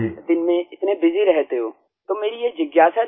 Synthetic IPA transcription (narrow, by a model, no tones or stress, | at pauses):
d̪ɪnmẽɪt̪nebɪziɾɛɦt̪eɦoː | t̪omeːɾijed͡ʒɪɡjaːsa